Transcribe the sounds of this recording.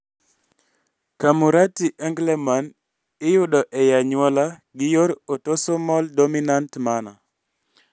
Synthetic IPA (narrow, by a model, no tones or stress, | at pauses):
kamuɾatiʔɛŋɡleman | ɪjʊɗɔʔɛjaɲwɔlaɡɪjoɾotosomɔldominantmanɔ̰